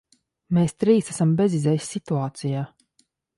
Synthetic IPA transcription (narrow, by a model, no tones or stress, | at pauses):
meːst̪ɾiːsæsambezizɛjisʲːit̪uaːt̪sijaː